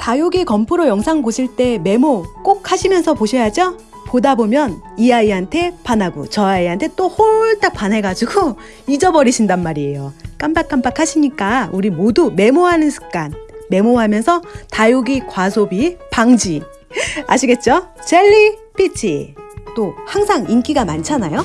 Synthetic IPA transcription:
tajuɡikʌmpʰuɾojʌŋsʰaŋboɕʰiɭt͈e̞me̞mok͈ok̚ʰhaɕʰimjʌnsʰʌpoɕʰʌjad͡ʑo | podabomjʌn | iaiɦantʰe̞panabṵt͡ɕʌaiɦantʰe̞t͈ohoɭt͈ak̚p͈anɦe̞ɡad͡ʑuɡo | id͡ʑʌbʌɾiɕʰindanmaɾie̞jok͈ambak͈ampakʰaɕʰiɲik͈auɾimodume̞moɦanɯnsʰɯ̥k͈anme̞moɦamjʌnsʰʌtajuɡikwasʰobipaŋd͡ʑi | a̰ɕʰiɡe̞t̚t͡ɕ͈ot͡ɕeʎːip͈ʰit͡ɕʰit͈ohaŋsʰaŋink͈iɡamant͡ɕʰanajo

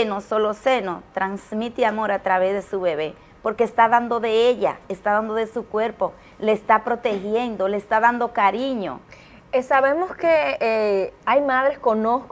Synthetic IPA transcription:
nosolosenot̪ɾansmit̪iamo̞ɾat̪ɾaβezðe̞suβeβe̞ | po̞ɾke̞ːst̪aðand̪o̞ðe̞eʎa̰est̪aðand̪o̞ðesukwe̞ɾpo̞ | leːst̪apɾo̞t̪e̞xje̞nd̪o̞leːst̪aðand̪o̞kaɾiɲo̞̰ | esaβemoske | ajmaðɾeskonosk

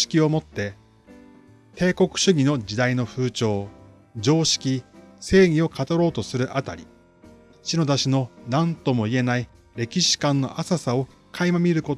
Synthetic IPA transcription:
i̥kʲio̞mo̞t̪ːe̞ | t̪e̞ːko̞kɯ̟̥ɕɨɡʲino̞d͡ʑid̪aino̞ɸɯ̟ːt͡ɕo̞ː | d͡ʑo̞ːɕi̥kʲise̞ːɡ̟ʲio̞kat̪oɾo̞ːt̪o̞sɨɾɯ̟ʔat̪aɾʲḭ | ɕino̞d̪aɕino̞nãnt̪o̞mo̞ie̞nai | ɾe̞kʲiɕi̥kãnːo̞ʔasasao̞ | kʰaimamʲiɾɯ̟ko̞

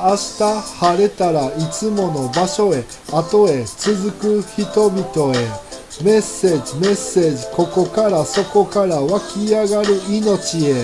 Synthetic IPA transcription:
aɕi̥t̪ahaɾe̞t̪aɾait͡sɨmo̞no̞baɕo̞e̞ | at̪o̞e̞t͡sɨzɨkɯ̟çit̪o̞bʲit̪o̞e̞ | me̞sːe̞ːd͡ʑime̞sːe̞ːʑiko̞ko̞kaɾaso̞ko̞kaɾaβakʲiaɡaɾɯ̟ino̞t͡ɕie̞

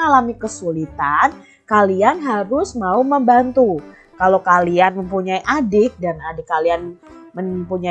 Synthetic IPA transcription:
alamikəsulit̪an | kalianɦaɾʊsmauməmbant̪u | kalokalianməmpuɲaiʔadɪk̚danadɪkalianməmpuɲa

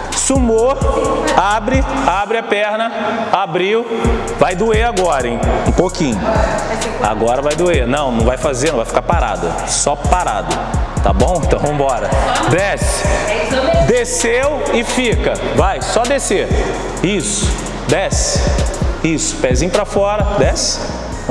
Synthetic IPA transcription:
sumo | abɾɪabɾɪapɛɾnɐabɾiw | vajd̪ueaɡɔɾɐẽj̃ũpokĩɲʊ | a̰ɡɔɾɐvajd̪uenɐ̃w̃nɐ̃w̃vajfazeɾnɐ̃vajfi̥kaɾpaɾa̰d̪ɐ̰ | sɔpaɾa̰d̪ʊ | t̪abõw̃t̪avõbɔɾɐd̪ɛs | d̪esewɪfikɐvajsɔd̪eseɾ | isʊ̥ | d̪ɛs | isʊ̥pɛzĩɲʊpɾɐfɔɾɐd̪ɛs

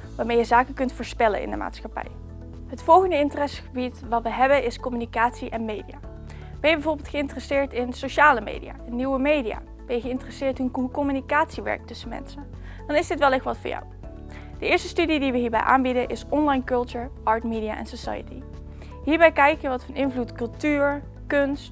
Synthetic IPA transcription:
ʋaːɹmejəzaːkəkɵntfʊːɹspɛlə̰nɪ̰ndəma̰ːtsxɑpɛ̰j | ɦətfɔlˠɣəndəɪntərɛsxəbitʋɑtʋəɦɛbənɪskɔmynikaːtsiʔɛnmejdḭa̰ː | ʋɪbəbɛvoːɹbɪːlˠtχəɪntrɛsɪːɹtɪnsoʃaːləmḛjdḭja̰ːɛnːiwəmejdija̰ː | b̥ɛjɣəɪntərəsɪːɹtɪnkɔmynikaːtsiʋɛ̰ɹk̚tɵsənmɛ̰nsən | d̥ɑnɪzdɪtʋɛlˠɪxʋɑtfʊ̰ːɹja̰w | d̥əɪːɹstəstydidiʋəɦiːɹbɛ̰jʔa̰ːnbidənʔɪsɔnlɑjnkɵlˠtuɹʔɑːɹtmidija̰ːʔɛ̰nsosa̰jə̰ti | ɦiːɹbɛjkɛjkəəʋɑtfɑnʔɪnvlutkɵlˠtyːɹ | kɵnst

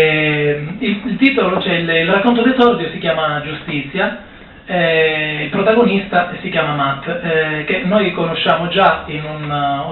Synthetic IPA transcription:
ilt̪iːt̪olot͡ʃɛililrakːont̪̬od̪esɔrd̪josikjaːmad͡ʒust̪it̪sːja | ɛilpɾot̪aɡonist̪asikjaːmamat̪ːkenːojkonoʃːaːmod͡ʒainun

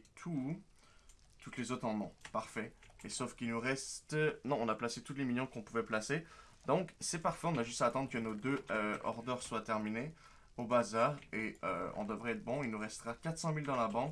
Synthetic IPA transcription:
t̪ʰu | t̪ut̪lezot̪χɑ̃nɔ̃paʁfɛesofkʲilnuʁɛst̪nɔ̃ːnaplaset̪ut̪leminjɔ̃kɔ̃puvɛplase | d̪ɔ̃ksɛpaʁfɛɔ̃naʒyst̪aːt̪ɑ̃d̪ʁəkənod̪øøɔ̰ʁd̪œʁswat̪ɛʁmine | obazaːʁeø̰ɔ̰̃d̪əvʁɛːt̪χbɔ̃ilnuʁɛst̪əʁakat̪χsɑ̃mild̪ɑ̃labɑ̃k

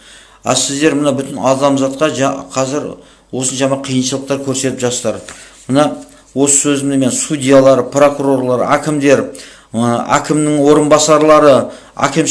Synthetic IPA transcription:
æ̰sɪzd̪e̞ɾmənɑbʏt̪ɪnɑd̪ɑmzɑt̪qɑʒɑqʰɑzɪɾ | wo̞səʒɑmɑqʰijənʃəlˠəq̚t̪ɑɾkʲʰɵɾse̞t̪ɪpʒɑst̪ɑɾmənɑ | wo̞sə̥sɵzɪmd̪eme̞nsud̪ʲijalˠɑɾəpro̞kuɾo̞ɾlˠɑɾækʲɪmd̪e̞ɾ | æ̰kʲɪmnɪŋwo̞ɾənbɑsɑɾlˠɑɾə | æ̰kʲɪm

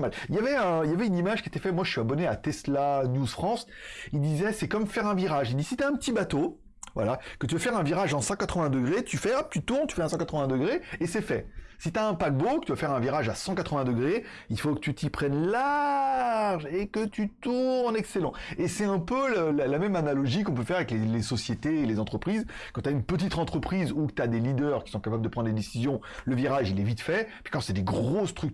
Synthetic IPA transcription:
maliljavɛə̃iljavɛynimaʒkʲiet̪ɛfɛmwaʒəsyabɔneat̪ɛslanjuzfχɑ̃s | ild̪izɛsɛkɔmfɛʁɛ̃viʁaʒild̪isit̪yaɛ̃pət̪ibat̪o | vwa̰lakət̪̬yafɛʁɛ̃viʁaʒɑ̃sɑ̃kat̪χəvɛ̃d̪əɡʁet̪ʰyfɛap̚t̪yt̪uʁnt̪y̥fɛɛ̃sɑ̃kat̪χəvɛ̃d̪əɡʁeesɛfɛsit̪yaɛ̃pak̚bokə̥t̪yvafɛʁɛ̃viʁaʒasɑ̃kat̪χəvɛ̃d̪əɡʁe | ilfokə̥t̪yt̪ipχɛnla | ʁʒekət̪yt̪unɑ̃nɛkselɑ̃esɛɛ̃pøllalamɛmanalɔʒikɔ̃p̬øfɛʁavɛklelesɔsjet̪eːlezɑ̃t̪χəpχizkɑ̃t̪yaynpət̪̬it̪ɑ̃t̪χəpχizukə̥t̪yad̪elid̪œʁkʲi̥sɔ̃kapabləd̪əpχɑ̃nd̪ed̪esizjɔ̃ | ləviʁaʒilɛvit̪fɛpi̥kɑ̃sɛd̪eɡʁost̪χyk̚

